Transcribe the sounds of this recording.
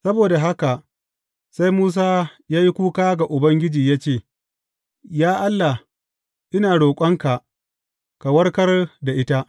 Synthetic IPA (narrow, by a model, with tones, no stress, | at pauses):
sɐ˦boː˨da˨ɦa˦ka˨ʔ | sa˦jmuː˦s̬aː˦jaː˦ji˦kʷuː˦kaː˦ɡa˨ʔʊ˨bɐ˦ŋɡʲɪ˦d͡ʒiː˨jaː˦t͡ʃeː˦˨ | jaː˦ʔa˦lːa˨ | ʔɪ˦naː˨ɽoː˨kʷʼɐ˦ŋka˨ʔ | ka˨wɐ˦ɽkɐ˦rda˨ʔɪ˦ta˦ʔ